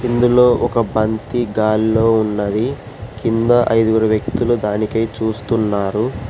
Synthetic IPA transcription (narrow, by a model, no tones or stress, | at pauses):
ind̪ulo̞ːʔɔkɐbɐnt̪iɡaːlːo̞ːunːɐd̪i | kind̪ɐʔɐjd̪uɡuɾɐʋjɐkt̪ulud̪aːnikɐjt͡ʃuːst̪unːaːɾu